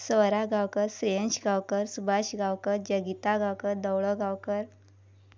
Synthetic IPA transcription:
səɾaɡʱawkəɾsɾeənɕɡʱawkəɾsubʱaɕɡawkəɾd͡ʑəɡit̪aɡʱawkəɾd̪əwɭəɡʱawkəɾ

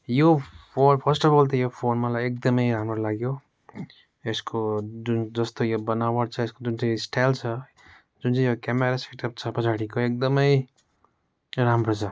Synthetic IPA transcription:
jopʰonpʰʌsʈʌbʌlt̪̬ʌjopʰonmalajekd̪ʌmʌjɾamrolaɡjo | eskod͡zund͡zʌst̪ojobʌnawʌʈt͡sʰʌeskod͡zunt͡saj̃sʈajlt͡sʰʌ | d͡zunt͡saj̃jokameɾaseʈʌp̚t͡sʰʌpʌt͡sʰaɽikoek̚d̪ʌmʌj | ramrot͡sʰʌ

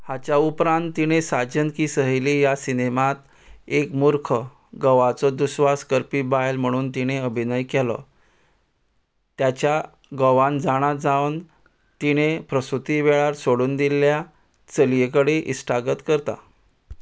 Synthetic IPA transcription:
hat͡ɕjaupɾãnt̪ːiñesad͡ʑənkiːsəɦəlijasinemat̪ | ekmuɾkʰə | ɡəʋat͡sɔd̪usʋaskəɾpibajlm̤əɽ̃uːnt̪iñeəbʱinəjkelɔ̰ | t̪jat͡ɕja | ɡəʋãnd͡zaɽ̃ad͡zaʋən | t̪iñepɾəsut̪iʋeɭaɾsoɽuːnd̪ilːja | t͡səlijəkəɽeʔisʈaɡət̪kəɾt̪a̰

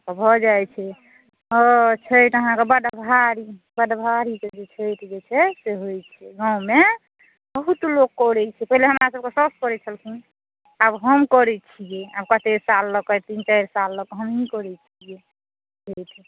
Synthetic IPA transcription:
ɔbʱɔd͡ʒajt͡ʃʰɛ | ɔt͡ʃʰəʈəɦãkebəd̪bʱaɾibəɖbʱaɾiked͡ʒet͡ʃʰəjʈʰd͡ʒet͡ʃʰɛseɦojt͡ʃʰɛɡãũme | bəɦut̪lokːɔɾɛt͡ʃʰɛpəɦileɦəmɾasəb̚kesɔskɔɾɛt͡ʃʰəlkʰĩ | abɦəmkɔɾɛt͡ʃʰijeabkət̪esalːɔkɔt̪int͡ʃajɾsalːɔkɦəmikɔɾɛt͡ʃʰije | t͡ʃʰejʈʰ

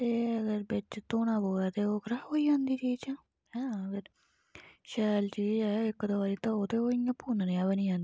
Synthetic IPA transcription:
t̪eːəɡəɾbɪt͡ʃt̪oːnaːboːaːt̪eːoːkɾaːɦoːiːd͡ʒãːnd̪iːt͡ʃiːt͡ʃãː | ɦɛ̃pʰɪɾ | ʃɛːlt͡ʃiːɛːɪkːd̪oʋaːɾiːt̪ãːoːt̪eːoːɪjãːpuːnneːaːbəniːãːnd̪ii

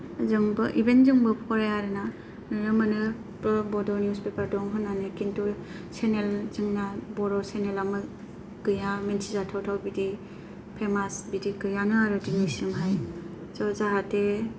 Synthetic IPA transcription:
zɯŋbɯʔibenzɯŋbɯpʰɔɾajaɾɯna | nɯɾɯmɯnɯ | pbɔdɔnjuspepaɾdɔŋɦɯnanɯkintu | senelzɯŋnabɔɾɔsenelamɯ | ɡ̥ɯjamensʰizatʰawtʰawbidi | pʰemasbidiɡɯjanɯaɾɯdinisɯŋɦaj | sɔzaɦate

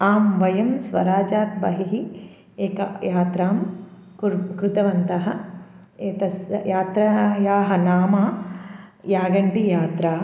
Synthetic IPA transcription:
aːmʋɐjɐmsʋɐ̰ɾaːd͡ʒaːt̪̚bɐ̰ɦiɦi | eːkɐ̰jaːt̪ɾaːm | kɾut̪ɐʋɐnt̪ɐɦɐ | et̪ɐsjaːt̪ɾɐjaːɦɐnaːmaː | jaːɡɐɳʈijaːt̪ɾaː

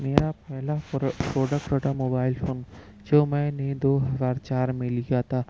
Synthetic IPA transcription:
meːɾapɛɦlapɾoːɖək̚pɾoːʈamoːbaːɪlfoːn | d͡ʒoːmɛ̃ːned̪oːɦɐzaːɾt͡ʃaːɾmẽlijat̪ʰaː

